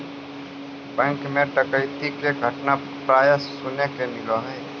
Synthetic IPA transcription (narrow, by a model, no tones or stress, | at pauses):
bɛ̃ŋkmẽʈəkəɪt̪ikeɡʱəʈna | pɾaːjəsʊnekemɪloɦɛː